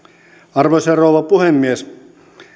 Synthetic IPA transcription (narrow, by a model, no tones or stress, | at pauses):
ɑrʋoserouʋɑpuhemːies